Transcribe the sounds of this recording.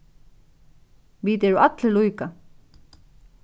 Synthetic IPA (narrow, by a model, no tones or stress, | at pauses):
ʋiːt̪ɛɾuʔat̪lɪlujka